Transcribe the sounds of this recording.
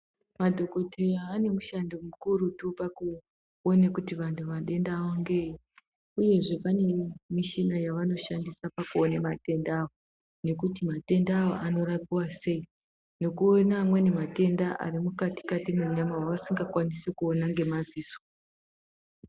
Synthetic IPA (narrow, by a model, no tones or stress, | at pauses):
madʱo̞ko̞teraːne̞muʃandomukuɾutupaku | onekutiʋantʰuʋaɗe̞ndaʋoŋɡe̞ | uje̞ʐe̞pane̞miʃinajaʋano̞ʃandisapakuonemate̞ndaːʋo | ne̞kutimate̞ndaːwo̞̰ʔano̞rapiwase̞i | no̞kuonamwe̞ne̞mate̞ndaʔa̰rimukati̥katimeɲamawaʋasiŋɡakwanisekuonaŋɡe̞maziːso̥